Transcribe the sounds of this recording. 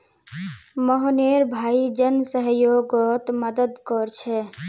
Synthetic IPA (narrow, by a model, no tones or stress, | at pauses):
mɔɦneɾbʱaːid͡ʒənsəɦjoɡɔt̪məd̪əd̪kɔɾt͡ʃʰɛ